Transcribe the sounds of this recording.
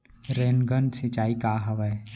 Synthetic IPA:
ɾeːnɡənsɪt͡ʃaːikaɦɐʋɛː

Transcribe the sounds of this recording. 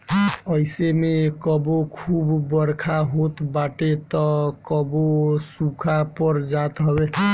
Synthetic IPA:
əɪsemekɔbokʰubːəɾkʰaɦot̪baʈet̪ɔkɔbosũkʰapɔɾd͡ʒat̪ɦɔbe

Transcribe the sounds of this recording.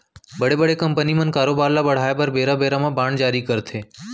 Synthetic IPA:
bəɽebəɽekəmpənimə̃nkaɾobaɾlabəɽ̤ajpəɾbeɾabeɾamãbãɳd͡ʒaɾikəɾt̪ʰe

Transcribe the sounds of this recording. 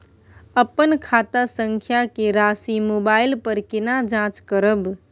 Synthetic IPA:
əpənkʰaːt̪asə̃ŋkʰjakeɾaːsimoːbaːɪlpəɾkɪnad͡ʒãːt͡ʃkəɾəb

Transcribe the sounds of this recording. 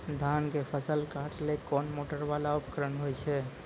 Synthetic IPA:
d̪ʱankepʰəsəlkaʈlekɔnmoʈəɾbalaupkɾənɦojt͡ʃʰɛ

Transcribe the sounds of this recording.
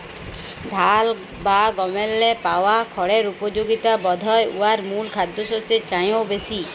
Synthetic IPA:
d̪ʱal | baɡɔmelːepawakʰɔɽeɾupɔd͡ʒoɡit̪abɔd̪ʱɔeṵaɾmulkʰad̪ːosot͡ʃet͡ʃaj̃owbesi

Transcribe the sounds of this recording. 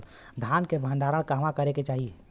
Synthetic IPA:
d̪ʱaːnkebʱə̃ɳɖaːɾəɽ̃kaːmakəɾeket͡ʃaːɦie

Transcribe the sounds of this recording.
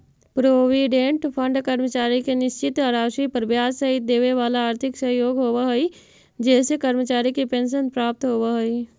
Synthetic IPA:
pɾoːʋiːɖẽɳʈpʰə̃ɳɖkəɾmət͡ʃaːɾikenɪʃt͡ʃɪt̪aɾaːʃipəɾbjaːssɐɦɪt̪̚d̪eːʋeʋaːlaaːɾt̪ʰɪksəɦjoːɡɦoːʋaɦoi | d͡ʒɛːsekəɾmət͡ʃaːɾikipẽːnʃ̬ənpɾaːp̚t̪ɦoːʋaɦoi

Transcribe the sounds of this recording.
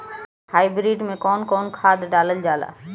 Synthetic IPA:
haːibɾiːɖmẽkɔːnkɔːnkʰaːd̪ɖaːləld͡ʒaːla̰ː

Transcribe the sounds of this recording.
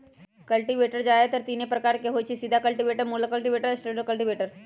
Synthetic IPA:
kəlʈiʋeʈəɾd͡ʒajet̪əɾt̪inepɾəkaɾkeɦot͡ʃʰisid̪ʱakəlʈiʋeʈəɾmuləkəlʈiʋeʈəɾsʈeɖəkəlʈiʋeʈəɾ

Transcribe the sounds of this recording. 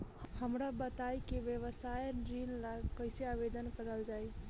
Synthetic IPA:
həmɾabət̪ajkeʋjeβəsajɾinlakəjseabed̪ənkəɾəld͡ʒaj

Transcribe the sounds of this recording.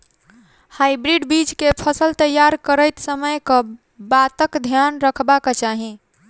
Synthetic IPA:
hajbɾiɖbit͡ʃkepʰəsəlt̪əjːaɾkəɾəjt̪səməjkə | bat̪əkd̪ʱjanɾəkʰbaket͡ʃaɦi

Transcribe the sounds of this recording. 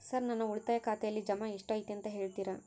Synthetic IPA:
sɐɾnɐnːɐuɭt̪aːjɐkaːt̪ɛjɐlːid͡ʒɐmaeʂʈaːjit̪eent̪ɐɦe̞ːɭt̪iːɾɐ

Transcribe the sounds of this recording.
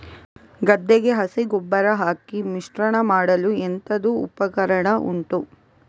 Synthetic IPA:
ɡɐd̪ːeɡe̞ɦɐsiɡɔbːɐɾɐɦaːkimiʂʈɾɐɳɐmaːɽɐluent̪ɐd̪ṵːpɐkɐɾɐɳɐʔṵɳʈu

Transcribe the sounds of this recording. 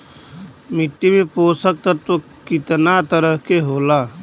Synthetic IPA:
mɪʈ̪ːimẽpoːsək̚t̪əɾt̪o | kɪt̪nat̪əɾəɦkeɦoːla

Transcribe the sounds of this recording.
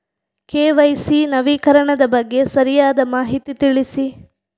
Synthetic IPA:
keːʋɐjsinɐʋiːkɐɾɐɳɐd̪ɐbɐɡːe̞sɐɾijaːd̪ɐmaːɦit̪it̪iɭisi

